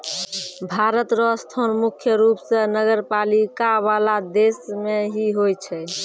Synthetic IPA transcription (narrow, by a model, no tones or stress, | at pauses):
bʱaɾət̪ɾɔst̪ʰɔnmukʰjəɾupsẽnəɡəɾpalikaʋalad̪esmeɦiɦojt͡ʃʰɛ